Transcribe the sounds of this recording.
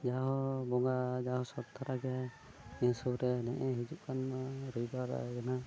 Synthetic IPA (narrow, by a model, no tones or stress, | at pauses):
d͡ʒaɦɔbɔŋɡad͡ʒaɦɔsɔt̪̚t̪ʰːaɾaɡɛ | insuɾɛnɛʔɛɦid͡ʒup̚kʰanaɾəjbaɾ̰ɡɛna